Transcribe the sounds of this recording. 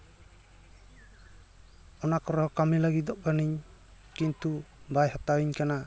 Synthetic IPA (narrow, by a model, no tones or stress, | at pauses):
ɔnakɔɾɔkamilaɡit̪̚d̪ɔʔkaniɲkint̪ubajhat̪awiɲkana